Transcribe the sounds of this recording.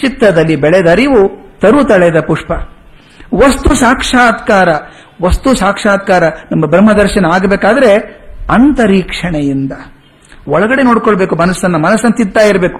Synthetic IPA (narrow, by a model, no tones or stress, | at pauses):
t͡ʃit̪ɾɐd̪ɐlːibɛɭed̪ɐɾiʋut̪ɐɾut̪ɐɭed̪ɐpuʂpɐ | ʋɐst̪usaːkʂaːd̪kaːɾɐ | ʋɐst̪usaːkʂaːt̪̚kaːɾɐnɐmːɐbɾɐmːɐd̪ɐɾʃɐnɐaːɡbeːkaːd̪ɐɾeɐnt̪ɐɾiːkʂɐɳejind̪ɐ | ɔɭɐɡɐɽe̞noːɽkoɭbe̞ːkumɐnɐsːɐnːɐmɐnɐsːɐnɐt̪id̪̚t̪aːjiɾɐbe̞ːku̥